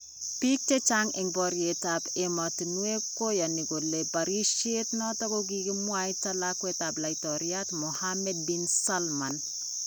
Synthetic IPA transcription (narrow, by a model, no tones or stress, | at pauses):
pik̚tet͡ʃaŋeŋbɔɾjetapematinwekːojaniɡolebaɾiʃetnɔtɔkoɡ̬ikimwaitalakwetaplaitɔɾjatmɔhamɛd̚binsalman